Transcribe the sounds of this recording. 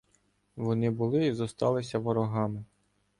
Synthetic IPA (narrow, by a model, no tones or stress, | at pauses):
ʋɔnɪbʊlˠɪizɔst̪ɑlˠɪsʲɐʋɔɾɔɦɑmɪ